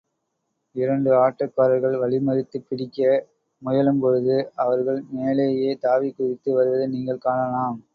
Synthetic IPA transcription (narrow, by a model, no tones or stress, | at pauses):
ɪɾɐɳɖɯaːʈːɐkːɐːɾɐɾɣɐɭʋɐɭɪmɐɾɪt̪ːɯpːɪɽɪkːɐ | mʊjɐlɯmpɔɻɯðɯɐʋɐɾɣɐɭmeːlɐjeːt̪aːʋikːʊɾɪt̪ːɯʋɐɾɯʋɐðɯniːŋɡɐɭkaːɳɐlaːm